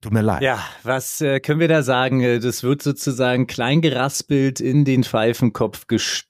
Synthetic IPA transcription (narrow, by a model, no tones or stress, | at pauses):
tʰuːtmiːɐla̰ɪjaːvasɛːkʰœnən̩viːɐdaːzaːɡŋ̩ɛːdasv̥ɪɐtz̥oːt͡suzaːɡŋ̩kl̥aɪnɡəʁasb̥ɪltʰɪndeːnfaɪfn̩kʰɔpfɡ̥əʃ